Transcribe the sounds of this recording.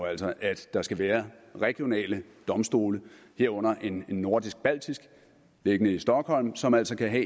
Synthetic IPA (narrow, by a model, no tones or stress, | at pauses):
æl̰sɒ̽ʔæd̥ːɑ̈sɡ̥æʋæːɐʁɛɡ̥jo̝nɛ̰ːləd̥ɒ̽msd̥o̝̰ːlə | he̝ɐ̰ɔ̽n̰ɐʔe̝ne̝nːo̝ɐd̥isɡ̥̚b̥æl̰d̥isɡ̥ | le̝ɡ̥ənəisd̥ɒ̽ɡ̥hɒ̽l̰msɒ̽mælsɒ̽kʰæɦɛ̰ː